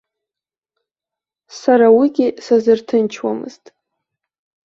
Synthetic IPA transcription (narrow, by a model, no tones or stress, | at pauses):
saɾawiɡʲisazɨrtʰɨnt͡ʃʰwa̰mɨ̰z̥tʼ